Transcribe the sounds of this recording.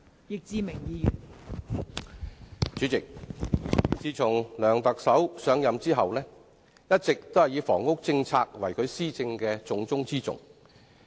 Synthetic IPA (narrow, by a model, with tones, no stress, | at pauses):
jɪ˨k̚t͡siː˨˧mɪ˨˩ŋjiː˨˧˨ | t͡ʃyː˨˥t͡sɪ˨k̚ | t͡siː˨t͡sʰʊ˨˩ŋlœː˨˩ŋt̪ɐ˨k̚sɐ˨˥wsœː˨˧ŋjɐ˨mt͡siː˥ɦɐ˨wlɛː˥ | jɐ˥t̚t͡sɪ˨k̚t̪o˥whɐ˨˩jiː˨˧wfɔː˨˩ŋʊ˥k̚t͡sɪ˧ŋt͡sʰaː˧k̚wɐ̰˨˩jkʰɵ˨˧ɥsiː˥t͡sɪ˧ŋkɛː˧t͡sʊ˨˧ŋt͡sʊ˥ŋt͡siː˥t͡sʊ̰˨ŋ